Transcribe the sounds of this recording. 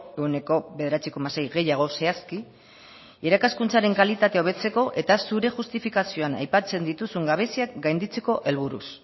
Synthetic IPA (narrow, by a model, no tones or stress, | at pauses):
ewne̞ko̞βe̞ðeɾat͡siko̞mase̞jɣe̞jaɣ̞o̞se̞aski | eɾakaskunt͡saɾe̞ŋkalit̪at̪e̞o̞β̞e̞t͡se̞ko̞ʔe̞t̪asuɾe̞ʝust̪ifikasio̞ana̰jpat͡se̞nd̪it̪usuŋɡaβ̞e̞siakɡajnd̪it͡se̞ko̞ʔe̞lβ̞uɾṵs